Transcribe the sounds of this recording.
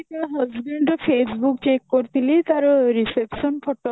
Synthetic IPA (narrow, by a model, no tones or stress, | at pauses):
aɦɔsɡeɳɖɔpʰesbukt͡ʃekːoɾt̪ʰilit̪aɾɔɾisepsɔnpʰoʈːɔ